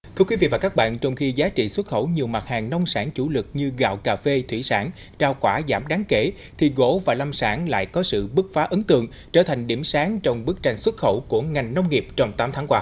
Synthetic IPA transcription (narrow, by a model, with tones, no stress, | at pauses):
t̪ʰɨ˧kwi˨˦vḭ˧˨vaː˨˩kaː˦˥k̚ɓa̰ː˧˨nt͡ɕɔ˧wŋ͡mxi˧zaː˨˦t͡ɕḭ˧˨swə˦˥t̚xə˧˩wɲi˨˩əwma˨˩t̚haː˨˩ŋnə˧wŋ͡msaː˧˩ŋt͡ɕu˧˩lɨ˨˩k̚ɲɨ˧ɣa̰ː˧˨wkaː˧˨˩fe˧t̪ʰwḭ˧˩saː˧˩n | t͡ɕaː˧wkwaː˧˩zaː˧˩mɗaː˨˦ŋke˧˩ | t̪ʰi˨˩ɣo̰˧˥vaː˨˩la˧msaː˧˦˥ŋla̰ː˧˨jkɔ˨˦sɨ̰˧˨ɓɨ˦˥k̚faː˨˦ʔɨ˨˦ŋnt̪ɨ̰˧˨əŋ | t͡ɕəː˧˩t̪ʰa˨˩ŋ̟ɗi˧˩əmsaː˨˦ŋt͡ɕɔ˧wŋ͡mɓɨ˦˥ək̚t͡ɕa˧jŋ̟swə˦˥t̚xə˧˩wku˧˩əŋa˨˩jŋ̟nə˧wŋ͡mŋi˨˩əp̚t͡ɕɔ˧wŋ͡mt̪aː˨˦mt̪ʰaː˨˦ŋkwaː˧˩